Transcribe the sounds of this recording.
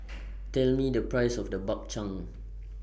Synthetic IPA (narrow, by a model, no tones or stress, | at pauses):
tɛlmidəpɹajsɔfdəbɔk̚t͡ʃãŋ